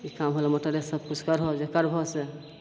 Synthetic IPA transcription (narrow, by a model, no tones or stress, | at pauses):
ikamɦolemɔʈaɾesəb̚kut͡ʃʰkəɾɦɔd͡ʒekəɾbʱɔse